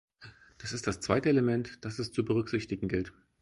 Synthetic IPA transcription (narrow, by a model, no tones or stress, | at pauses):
d̥asɪstd̥ast͡sv̥aɪtəeləmɛntd̥asɛst͡subəʁʏkz̥ɪçtɪɡŋ̩ɡɪlt